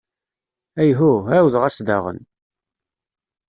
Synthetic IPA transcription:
æjɦuɦæwðʁæsd̪ɑ̰ʁə̰n

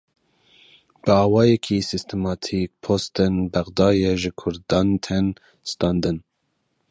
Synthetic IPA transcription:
b̥ɨɑːwɑːjɛkʰisist̪ʰɛmɑːt̪ʰik̚pʰost̪ɛnbæɣd̪ɑːjɛʒɨkʰʊɾd̪ɑːnt̪ʰɛn | st̪ɑːnd̪ɨn

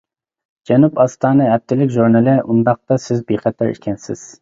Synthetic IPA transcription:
d͡ʒɛnupɑst̪ɑːnɨɛp̚t̪ʰɪlɪkʲʒuɾnɨlˠɪʔund̪ɑq̚t̪ɑsɪzbeχɛt̪ʰɑɾḭkʲʰɛnsɪ̰z̥

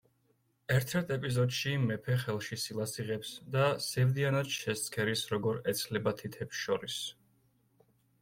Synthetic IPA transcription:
ɛɾt̪ʰɛɾt̪ʰɛpʼizɔd̪ʃimːɛpʰɛχɛlˠʃisilˠasiʁɛpsd̪asɛvd̪ianad̪ʃɛst̪skʰɛɾisɾɔɡɔɾɛt̪sʰlɛbat̪ʰit̪ʰɛpsʃɔɾis

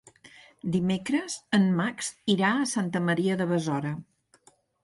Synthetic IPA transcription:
d̪imekɾəzənmaksiɾaəsant̪əməɾiəðəβəzɔɾə

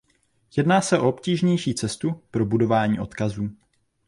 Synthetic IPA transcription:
jɛdnaːsɛʔo̞opciːʒɲɛjʃiːt͡sɛst̪upɾo̞budo̞vaːɲiːʔo̞̰t̪kazuː

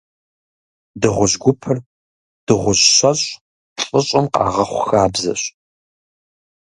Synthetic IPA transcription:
dɨʁʷʊʑɡʷʊpʰɨr | d̥ɨʁʷʊɕɕɐɕʼ | ɬʼəɕʼɐmqɑ̰ːʁɐχʷʊxaːbzɐ̰ɕ

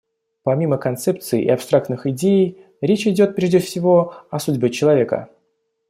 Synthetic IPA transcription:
pɐmʲiməkɐnt̪sɛp̚t̪sɨɪ̰ʔɪ̰ɐpst̪ɾak̚t̪nɨxɪdʲejɪj | ɾʲet͡ɕɪdʲo̞t̪̚pɾʲeʐdʲɪfsʲɪvo̞ɐsudʲbʲɪt͡ɕɪlˠɐvʲe̞kə̰

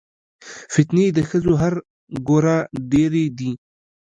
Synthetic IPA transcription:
fɪt̪ned̪əxəzoɦaɾ | ɡoɾaɖeɾed̪i

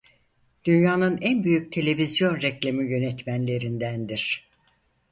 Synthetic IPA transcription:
d̪̥ynjaːnɯnænbyjyc̚t̪ʰe̞lʲe̞vizjo̞nɾɛclʲemijø̞nɛt̪mænlʲe̞ɾind̪ænd̪iɾ̥

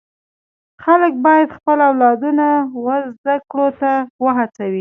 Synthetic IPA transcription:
xalək̚bɑjad̪xpəlawlɑd̪unawəzd̪akɽot̪awəɦat͡sawi

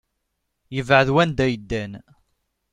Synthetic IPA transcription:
jəvʕəðwænd̪æjəd̪ːæn

